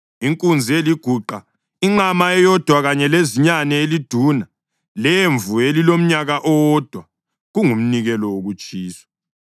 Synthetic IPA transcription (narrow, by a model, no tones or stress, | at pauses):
iŋkʼund͡zʱieliɡ̥ʱuǃa | iŋ͡ǁamaɛjɔd̥ʱwaɣaɲɛleziɲanɛelid̥ʱuːna | leɱvʱuelilom̩ɲaɣaʔɔwɔd̥ʱwa | ɣuŋum̩niɣɛlɔwoɣut͡ʃʼiːswḁ